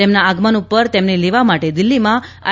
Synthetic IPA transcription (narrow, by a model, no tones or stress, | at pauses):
emnaaɡmanupəɾt̪emneleʋamaʈed̪ɪlːimãa̰